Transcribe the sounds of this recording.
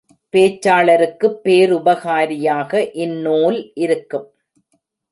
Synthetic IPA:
peːt͡ʃːaːɭɐɾɯkːɯpːeːɾʊbɐɣaːɾɪjaːɣɐʔɪnːoːlʔɪɾɯkːɯm

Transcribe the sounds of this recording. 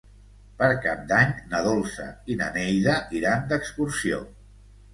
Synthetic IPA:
pəɾkap̚d̪aɲnəðolˠsə̰inə̰nɛjðəiɾand̪əkskuɾsio̰

